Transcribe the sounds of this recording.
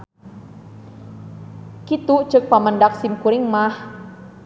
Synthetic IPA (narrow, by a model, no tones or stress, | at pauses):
kit̪ut͡ʃək̚paməndak̚simkuɾɪŋmah